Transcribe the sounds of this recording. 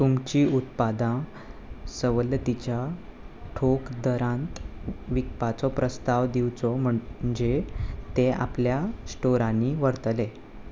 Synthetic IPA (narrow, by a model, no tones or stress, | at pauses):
t̪umt͡ɕiːut̪pad̪ã | səʋələt̪it͡ɕja | ʈʰokd̪əɾãnt̪ʋikpat͡sɔpɾʔəst̪aʋd̪iwt͡sɔm̤əd͡ʑet̪ẽa̰pljasʈoɾãniʋəɾt̪le